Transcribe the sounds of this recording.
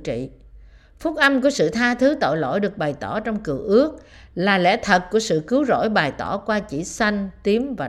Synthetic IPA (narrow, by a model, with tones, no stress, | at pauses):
t͡ɕḭ˧˨ | fu˦˥k̚ʔa˧jmku˧˩əsɨ̰˧˨t̪ʰaː˧t̪ʰɨ˨˦t̪o̰˧˨jlo̰˧˥˨jɗɨ˨˩ək̚ɓa˨˩jt̪ɔ˧˩t͡ɕɔ˧wŋ͡mkɨ˨˩əʔɨ˦˥ək̚ | laː˨˩lɛ̰˧˥t̪ʰə˨˩t̚ku˧˩əsɨ̰˧˨kɨ˨˦wzo̰˧˥˨jɓaː˨˩jt̪ɔ˧˩kwaː˧t͡ɕḭ˧˩sa˧jŋ̟t̪i˨˦əmvaː˨˩